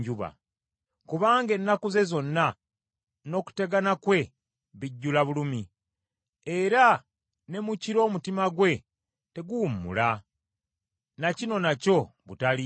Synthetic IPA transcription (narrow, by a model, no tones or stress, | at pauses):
ɟuβa̰ | kuβaːŋɡe̞nːakuze̞zo̞nːa | no̞ːku̥te̞ɡanakwe̞ | βiɟːulaβulumi | eɾa | ne̞muciɾo̞ːmutimaɡwe̞ | te̞ɡumːṵla | nacino̞naco̞βutali